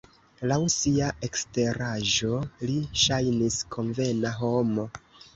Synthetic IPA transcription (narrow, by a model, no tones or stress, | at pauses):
lawsiae̞kste̞ɾaʒo̞liʃajniskʰo̞nve̞naɦo̞mo